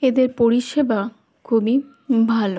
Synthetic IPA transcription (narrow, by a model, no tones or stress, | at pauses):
ed̪eɾpoɾiʃeba | kʰubi | bʱalo